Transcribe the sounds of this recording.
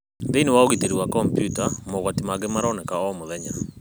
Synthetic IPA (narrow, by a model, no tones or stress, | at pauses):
deiniwaoɡiteɾiwakɔmpjutamɔɣwatimaɡɪmaɾɔnɛkaɔmʊðɛɲa̰